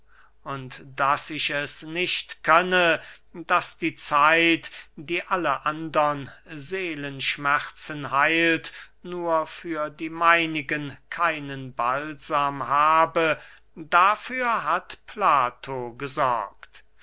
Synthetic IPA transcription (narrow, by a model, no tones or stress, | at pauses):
ʔʊntd̥asɪʃɛsnɪʃtkʰœnə | d̥asd̥iːt͡saɪtd̥iːʔaləʔandɐnzeːlənʃmæχt͡sənhaɪlt | nuːɐfyːɐdiːmaɪnɪɡənkʰaɪnənbalz̥aːmhaːbə | dafyːɐɦatpʰlaːtʰoɡəzɔ̰ɐkt